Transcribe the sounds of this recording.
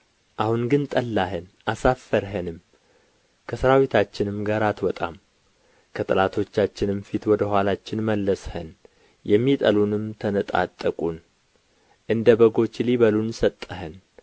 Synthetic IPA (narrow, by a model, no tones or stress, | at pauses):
ʔahunɡɨnt̪ʼəlːaɦənʔasafːəɾɦənɨm | kʰəsɨɾawit̪ʰat͡ʃːɪnɨmɡaɾat̪wɔt̪ʼa̰m | kʰət̪ʼɨlat̪ʰo̞t͡ʃːat͡ʃːɪnɨmfit̪wɔd̪əhʷwʷalat͡ʃːɪnməlːəshə̰n | jɛmːit̪ʼəlunɨmt̪ʰənət̪ʼa̰t̪ʼːəkʼun | ʔɨnd̪əbəɡo̞t͡ʃːliβəlunsət̪ʼːəhən